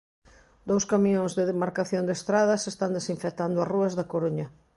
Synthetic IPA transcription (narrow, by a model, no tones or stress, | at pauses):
d̪owskamĩõŋzðeðemaɾkaθjond̪est̪ɾaðɐsest̪and̪esiɱfek̚t̪and̪ʊɐruɐzðɐkoɾuɲɐ